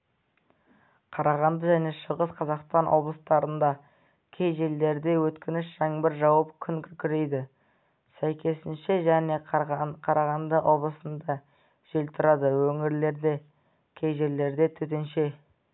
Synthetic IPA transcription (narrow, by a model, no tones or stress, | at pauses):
qʰɑɾɑʁɑnd̪əʒæne̞ʃəʁəsqʰɑzɑqst̪ɑnʔwo̞blˠəst̪ɑɾənd̪ɑ | kʲʰe̞jʒe̞lːe̞ɾd̪e̞wɵt̪kʲɪnɪʃʒæŋbɪɾʒɑwɑpkʲʰʏŋkʲʰʏkʲʰʏɾe̞jd̪ɪ | sæjkʲʰe̞sɪnʃe̞ʒæne̞qʰɑɾɑʁɑnd̪əʔo̞blˠəsənd̪ɑ | ʒ̥elt̪ʰʊɾɑd̪əwɵŋɪɾle̞ɾd̪e̞ | kʲʰe̞jʒe̞ɾle̞ɾd̪e̞t̪ʰɵt̪e̞nʃe̞